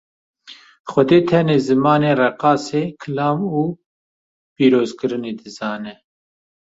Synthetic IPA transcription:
xʷɛd̪eːt̪ʰɛneːzɨmɑːneːrɛqɑːseːkʰɨlɑːmuː | piːɾoːzkɨɾɨneːd̪ɨzɑːnɛ

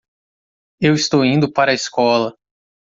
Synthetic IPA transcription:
ewɪst̪owĩnd̪ʊpaɾɐiskɔlɐ

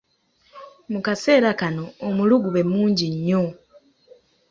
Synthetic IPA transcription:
mukase̞ːɾakano̞ːmuluɡuβe̞muːɲɟiɲːo

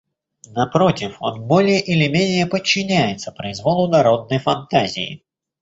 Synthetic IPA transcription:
nɐpɾo̞tʲɪfo̞̰nbo̞lʲɪjəʔɪlʲɪmʲenʲɪjəpət͡ɕːɪnʲæjɪt̪səpɾəɪzvo̞lˠʊnɐɾo̞d̪̚nəjfɐnt̪azʲɪ̰jɪ̰

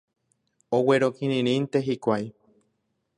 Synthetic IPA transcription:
oweɾokĩɾĩɾ̃ĩnt̪e̞ɦikʷaj

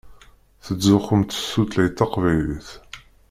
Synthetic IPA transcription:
θəd͡zːʊχəmt̪əsːut̪læjt̪ːɑqvæjliθ

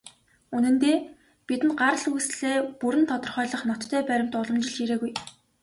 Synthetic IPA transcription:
unɘ̆nt̪eː | pit̪ɘ̆nɢaɾə̆ɮujsɮeːpuɾɘ̆nt̪ʰɔt̪ɞ̆rχœːɮə̆χnɔt̪ʰːœːpæɾʲɪ̆m̥t̪ʊɮɞ̆mt͡ɕɪ̆ɮiɾeːɣuj

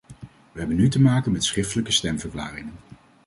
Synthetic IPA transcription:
ʋəɦɛbənːytəmaːkənmɛtsχrɪftələkəstɛmvəɹkla̰ːrɪŋən

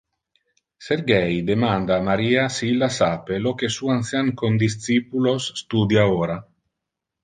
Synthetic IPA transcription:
seɾɡɛjd̪emand̪aːmaɾiːasiilːasapelokesuanθjaŋkond̪is̬t̪sipulosːt̪ud̪jaoːɾa

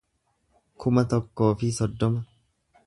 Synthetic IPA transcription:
kʰʊmɐt̪ɔkːo̞ːfɪsɔd̪ːɔmɐ

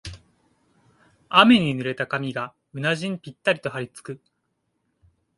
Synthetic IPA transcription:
ame̞ɲ̟inɯ̟ɾe̞t̪akamʲiɡa | ɯ̟naʑĩmpʲit̪ːaɾʲit̪o̞ɦaɾʲit͡sɨ̥kɯ̟

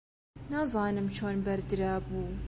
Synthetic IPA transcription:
naːzˤɑːnɨmt͡ʃʰoːnbɐɾd̪ɨɾaːbuː

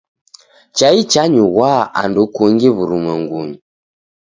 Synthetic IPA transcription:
t͡ʃait͡ʃaɲuwaa̰ndukuŋɡiβuɾuməŋɡuɲi

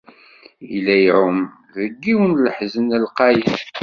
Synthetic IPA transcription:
ilːæjʕʊm | ðəɡːiwənləħzənəlqɑjən

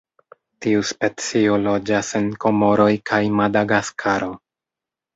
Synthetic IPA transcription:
tiuspe̞t͡sio̞lo̞d͡ʒase̞nko̞mo̞ɾo̞jkʰajmadaɡaskʰaɾo̞

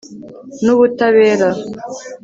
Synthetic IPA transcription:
nuβutaβeːɾa

